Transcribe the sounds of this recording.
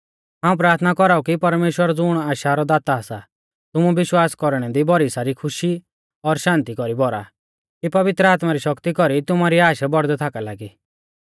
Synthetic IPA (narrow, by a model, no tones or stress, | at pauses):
ɦãːũpɾaːɾt̪ʰnakɔɾaukipɐɾmeːʃwəɾd͡zʊɽ̃aːʃaɾɔd̪aːt̪aasa | t̪ʊmuʋɪʃwaːskɔɾɽ̃ɛd̪ibɔɾisaɾikʰʊʃi | ɔɾʃãːnt̪ikɔɾibɔɾa̰ | kipɐʋɪt̪ɾəaːt̪maɾiʃɔkt̪ikɔɾit̪ʊmaɾiaːʃabɔɾd̪ɛt̪ʰakalaɡi